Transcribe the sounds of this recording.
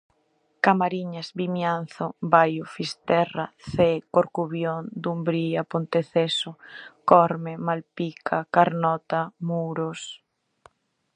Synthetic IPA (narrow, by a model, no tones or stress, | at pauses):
kamaɾiɲazbimjan̟θobajʊfist̪ɛra̰θekoɾkuβjond̪umbɾiapont̪eθesʊkɔɾmemalpikʰakaɾnɔt̪amuɾos